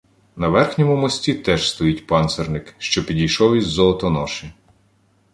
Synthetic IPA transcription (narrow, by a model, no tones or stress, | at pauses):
nɐʋɛrxnʲɔmʊmɔsʲtʲit̪ɛʒst̪ɔjitʲpɑnt̪sernɪkʃt͡ʃɔpʲidʲijʃɔwizʲzɔɔt̪ɔnɔʃɪ